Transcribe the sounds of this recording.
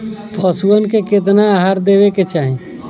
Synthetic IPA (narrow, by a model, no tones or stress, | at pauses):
pʰəsuənkeket̪̬naːɦaɾd̪ebeket͡ʃaːɦĩ